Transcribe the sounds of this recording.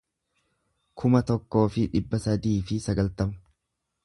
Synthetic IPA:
kʰʊmɐt̪ɔkːo̞ːfɪᶑɪbːɐsɐd̪iːfɪsɐɡɐlt̪ɐmɐ̥

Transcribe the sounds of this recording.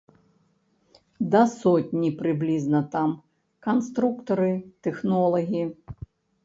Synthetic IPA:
d̪ɐsɔtʲnʲipɾɪblʲiznɐt̪am | kɐnst̪ɾukt̪ɐɾɨt̪ɛxnɔlˠɐɦʲii

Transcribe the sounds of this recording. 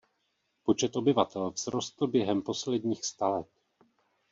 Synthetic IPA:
po̞t͡ʃɛt̪ʔo̞bɪvat̪ɛlvz̥ɾo̞st̪l̩bjɛɦɛmpo̞slɛdɲiːxst̪alɛt̪̚

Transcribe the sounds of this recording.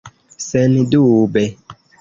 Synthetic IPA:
sɛnĩdubɛ

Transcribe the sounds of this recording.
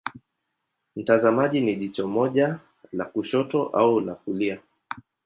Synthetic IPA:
m̩tazamaʄiniʄit͡ʃɔmɔʄa | lakuʃɔtɔʔaulakulia

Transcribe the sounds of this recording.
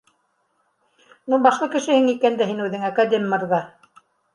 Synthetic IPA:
nubɑʃlˠɤkɘ̆ʃɘ̆hɘŋikænd̪æɦinʉðɘŋɑkad̪ʲemʲːɤ̆ɾʁɑ

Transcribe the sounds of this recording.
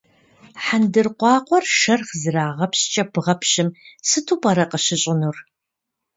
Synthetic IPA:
ħandɨrqʷɑːqʷɔrʃɐrχzɨɾaːʁɐpɕt͡ʃʼɐpʰɨʁɐpʰɕɪmsɨtʰuːpʼɐɾɐqəɕɪɕʼɪnur

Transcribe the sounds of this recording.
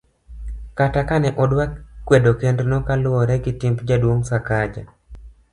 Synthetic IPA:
katakanɛʔɔdwakːwedokendnɔkalɔɾɛkɪtɪmpd͡ʒadwoŋsakad͡ʒa̰

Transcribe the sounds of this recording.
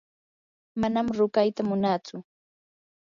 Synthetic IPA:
manamɾʊkajt̪amʊnat͡sʊ

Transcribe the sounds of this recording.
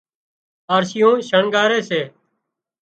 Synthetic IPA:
aːɾsɪjõːʃəɳɡaːɾeːseː

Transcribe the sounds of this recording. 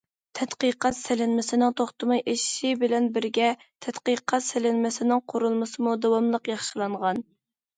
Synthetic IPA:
t̪ʰɛt̪qəqɑt̪sɪlɪnmɪsɪnɪŋt̪ʰoχt̪ɨmɑjʔeʃʃibɪlɛnbɪɾɡʲɛt̪ʰɛt̪qəqʰɑt̪sɪlɪnmɪsɪnɪŋqʰoɾulˠmɨsɨmud̪ɑwɑmlˠəqjɑχʃɨlˠɑɴʁɑn

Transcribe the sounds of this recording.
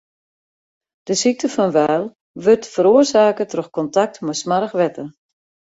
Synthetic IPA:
d̥əsik̚tʰəfɔnʋɛːlˠ | ʋøtfəɾoərsaːkətroxkɔntak̚tmɛsmaɾəxʋɛtə

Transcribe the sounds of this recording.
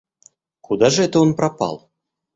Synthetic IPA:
kud̪ɑʐəɛt̪əonprɑpɑ̰lˠ

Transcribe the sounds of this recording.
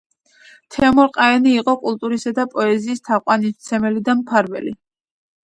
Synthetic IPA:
t̪ʰɛɔmɔɾqʼaɛniːqʼɔkʼulˠt̪ʼuɾisad̪apʼɔɛziːst̪ʰaqʼwanist̪sʰɛmɛlid̪ampʰaɾvɛ̰li

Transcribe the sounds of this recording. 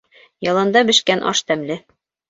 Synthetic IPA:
jɒlˠɑnd̪ɑbɘ̆ʃkænʔɒ̰ʃt̪æmlɘ

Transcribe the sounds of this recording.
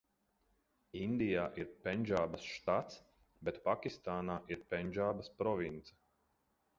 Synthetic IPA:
ind̪ijaːʔiɾpʲɛnʲʒaːbasʃt̪at̪s | bet̪pakʲist̪aːnaːʔiɾpɛnʲʒaːbaspɾɔvint̪sɛ̥

